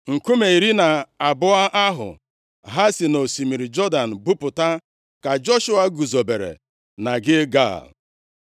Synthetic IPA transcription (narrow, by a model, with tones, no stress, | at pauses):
ŋ̩˨ku˦me˨i˨ɾi˦na˨a˨bʊ˦a˦ʔa˦ɦʊ̰˨ | ɦa˦si˨no˨si˨mi˨ɾi˨d͡ʒɔ˦da˨n̩˨bʊ˦pʊ˨ta˦ | ka˨d͡ʒɔ˦ʃʊ˦a˦ɡu˨zo˨be˨ɾḛ˨ | na˨ɡɪ˦ɡa̰˦˨